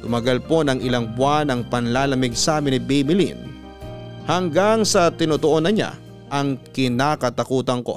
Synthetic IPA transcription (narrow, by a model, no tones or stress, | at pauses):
t̪ʊmɐɡɐlpo̞nɐŋɪlaŋbʊanɐŋpɐnlaːlɐmɪɡ̚saːmɪnɪbɛjmɪlḭn | hɐŋɡaŋsɐt̪ɪnot̪oʔonɐɲa̰ | ʔɐŋkɪnaːkɐt̪ɐkuːt̪ɐŋko̞̰